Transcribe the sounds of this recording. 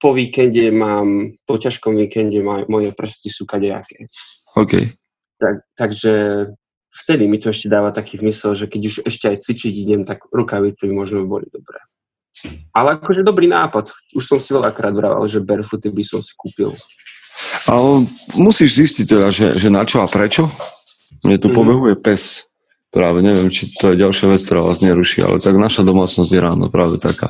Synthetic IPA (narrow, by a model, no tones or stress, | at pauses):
pɔʋiːkɛnɟɛmaːmpɔcaʃkɔmʋiːkɛnɟɛmɔmɔjɛpr̩st̪isuːkaɟa̰kɛ | ɔʊkɛ̰j | t̪at̪aɡʒɛ | ft̪ɛd̪imit̪ɔɛʃcɛd̪aːʋat̪akiːzmisɛlʒɛkɛɟuʒɛʃcɛajt͡sʋit͡ʃiɟiɟɛmt̪aɡɾukaʋit͡sɛbimʊɔʒmɛbɔ̰lḭd̪ɔbɾɛ̰ː | alɛakɔʒɛd̪ɔbɾiːnaːpat̪ | uʃsɔmsiʋɛʎakɾaːd̪ʋɾa̰ʋa̰lʒɛbɛɾfut̪ibisɔmsi̥kuːpḭlˠ | aɛmusiːʒziscic̚t̪ɛd̪aʒɛ̰ʒɛnat͡ʃɔapɾɛt͡ʃɔ | mɲɛt̪upɔbɛɦujɛpɛs | pɾaːʋɛɲɛʋɪɛmt͡ʃit̪ɔjɛɟalʃɪaʋɛt͡skt̪ɔɾaːʋa̰ːzɲɛɾuʃḭa̰lʔɛ̰t̪aɡnaʃad̪ɔmaːt͡snɔzɟjɛɾaːnɔ̰pɾaːʋɛt̪aka̰ː